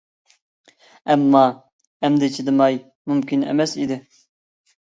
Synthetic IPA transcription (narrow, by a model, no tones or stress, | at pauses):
ɛmːɑ | ɛmd̪ɪt͡ʃʰid̪ɨmɑj | mumkʲinɛ̰mɛsid̪ɪ